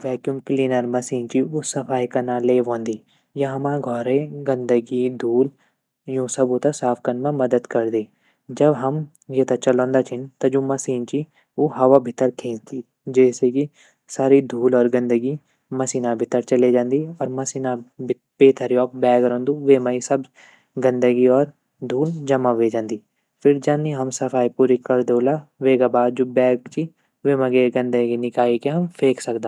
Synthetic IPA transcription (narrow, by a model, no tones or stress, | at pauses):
ʋɛːkjumkliːnəɾmɐsiːnt͡ʃiʊsɐpʰaːikɐnãleːʋõːnd̪iː | jãɦɐmãːɡʱɔːɾẽɡə̃nd̪əɡid̪ʱuːl | jũːsɐbot̪asaːpʰkɐnmãmɐd̪əd̪kɐɾd̪iː | d͡ʒɐbɦɐm | jet̪at͡ʃɐlõːnd̪at͡ʃʰɪnt̪ɐd͡ʒoːmɐsiːnt͡ʃi | oɦɐʋabʱɪt̪ːəɾkʰẽːnt̪iː | d͡ʒɛːseki | saːɾid̪ʱuːlɔːɾɡɐ̃nd̪əɡi | məsiːnabʱɪt̪ːəɾt͡ʃəled͡ʒãːnd̪iːɔːɾmɐsiːna | peːt̪ʰəɾijɔːk̚bɛːɡɾɔ̃ːnd̪uʋeːmaisəb | ɡə̃nd̪əɡiɔːɾ | d̪ʱuːld͡ʒɐmaʋeːd͡ʒãːnd̪iː | pʰɪɾd͡ʒãːniɦəmsəfʰaːipuːɾikəɾd̪oːlaːʋeːɡabaːd̪̚d͡ʒoːbɛːɡt͡ʃi | ʋeːməɡeɡə̃nd̪əɡinɪkaːikeɦəmpʰeːksəkd̪aː